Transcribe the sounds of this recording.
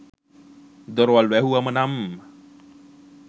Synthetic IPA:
d̪oɾoʋalwɛɦuamənamə

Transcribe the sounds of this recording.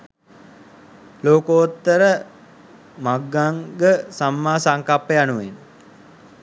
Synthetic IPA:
loːkoot̪ːəɾə | maɡːaŋɡəsamːaːsaŋkapːəjanuʋen

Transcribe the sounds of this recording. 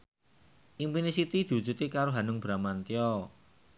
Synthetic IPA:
ʔimpinisit̪id̪̥i̤wudd͡ʒṳt̪ekaɾoɦanʊŋb̥ɾamant̪iɔ

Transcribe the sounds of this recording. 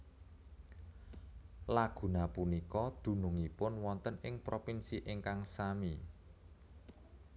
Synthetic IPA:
laɡ̥ṳnapunikɔd̪̥ṳnʊŋipʊnwɔnt̪ənɪŋpɾopinsiʔɪŋkaŋsami

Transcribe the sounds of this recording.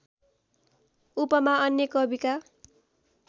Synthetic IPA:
upʌmaʌnjekʌbika

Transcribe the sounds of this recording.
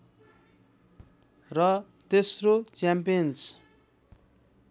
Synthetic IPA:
rʌ | t̪esrot͡sjampijʌns

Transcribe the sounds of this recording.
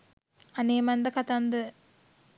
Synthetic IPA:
ɐneːmɐnd̪ɐkɐt̪ɐnd̪ɨ

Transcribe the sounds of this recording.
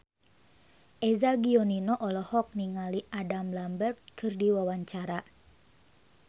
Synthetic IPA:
ʔɛzaɡiɔninɔʔɔlɔhɔk̚niŋaliʔadamlambɛrkkʰɨrdiwawaɲt͡ʃaɾa

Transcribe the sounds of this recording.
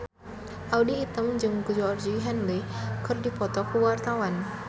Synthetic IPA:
ʔawdiːt̪əmd͡ʒɨŋkud͡ʒɔrd͡ʒiɦɛnlikɨrdipɔt̪ɔkəwart̪awan

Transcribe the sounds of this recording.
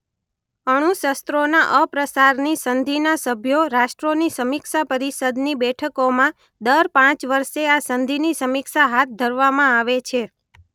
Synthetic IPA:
əɽ̃ũʃəst̪ɾona̰ʔəpɾəsaɾnisənd̪ʱinasəbʱjoɾaʃʈɾonisəmikʃapəɾisəd̪nibɛʈʰəkomã | d̪əɾpãt͡ʃʋəɾʃeasənd̪ʱinisəmikʃaɦat̪̚ʰd̪ʱəɾʋamãaʋet͡ʃʰe

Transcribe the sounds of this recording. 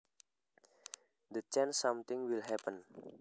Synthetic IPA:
d̪ət͡ʃɛnsamt̪ɪŋwilɦɛpən

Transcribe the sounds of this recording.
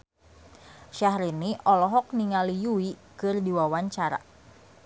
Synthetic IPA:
ʃaɦɾiniʔɔlɔɦɔk̚niŋalijuikɨrdiwawaɲt͡ʃaɾa̰

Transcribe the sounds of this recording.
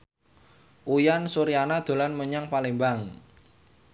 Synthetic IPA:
ʔujansuɾianad̪̥o̤lanməɲaŋpalembaŋ

